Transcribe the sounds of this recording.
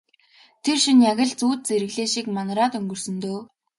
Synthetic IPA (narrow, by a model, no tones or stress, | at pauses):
t̪ʰerʃinjaɣʲɪ̆ɮt͡suːt̪̚t͡seɾɘ̆ɣɮeːʃiːkmanraːt̪ɵŋɡɵ̆r̥sɵ̆nt̪oː